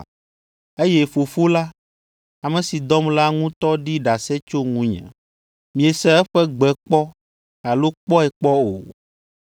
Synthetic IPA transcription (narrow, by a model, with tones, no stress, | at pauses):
e˦jɛ˦fo˨fo˦la˦ | a˨mɛ̃˨si˨d̪ɔ˦mla˦ŋũ˦t̪ɔ˦ɖi˦ɖa˨sɛ˦t͡ʃo˦ŋũ˦ɲɛ̰̃˨ | mĩ˨ɛ˨sɛ˦ɛ˦ɸɛ˦ɡ͡bɛ˨k͡pɔ˦ | a˨lo˦k͡pɔ˦ɛ˨k͡pɔ˦o̰˨